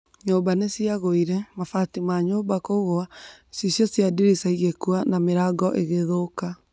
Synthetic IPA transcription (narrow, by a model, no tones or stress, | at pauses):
ɲoːbanesiaɣoiɾɛmafatimaɲoːbakouɣoasisjɔsjadiɾisaiɣekwanameɾaɡɔʔeɣeðoka